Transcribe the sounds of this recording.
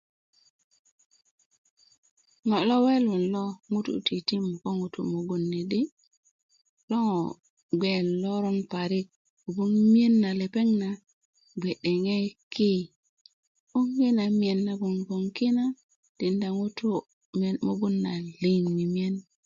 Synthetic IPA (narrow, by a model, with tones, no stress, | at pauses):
ŋo˨lo˦we˦lu˨nlo˦ŋu˦tṵ˨ti˨ti˦m˨ko˦ŋu˨tṵ˨mo˨ɡu˨nːi˨ɗi˦ | lo˦ŋo˨ | ɡe˨lːo˦ɾo˦npa˨ɾi˦k̚ | u˨bu˦nmi˦e˦nːa˨le˨pe˦ŋna˨ | ɡ͡be˨ɗe˨ŋe˦ki˦ | u˦ŋɡi˦na˨mi˨e˨nːa˨ɡu˨ŋɡo˨ŋki˦na˦ | d̥i˨nda˨ŋu˦tu˦ | mo˨ɡu˦nːa˨li˨nmi˨mi˦e˦n